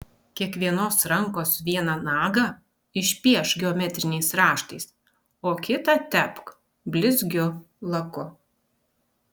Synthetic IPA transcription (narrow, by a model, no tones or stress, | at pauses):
kʲiɛkʋʲiɛnoːsɾɐŋˑkoːsʋʲiɛnɐnɑːɡɐ | ɪʃʲpʲiɛʃɡʲɛɔːmʲɛt̪ʲɾʲɪnʲɛɪsɾɑːʃt̪ɐɪs | oːkʲɪt̪ɑt̪ʲɛpk | bʲlʲɪzʲɡʲʊ | lˠɐkʊ